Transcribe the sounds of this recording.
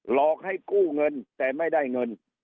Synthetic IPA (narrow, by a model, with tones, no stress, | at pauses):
lɔː˨˩k̚ha˥˩jkuː˥˩ŋɤ˧nt̪ɛː˨˩ma˥˩jda˥˩jŋɤ˧n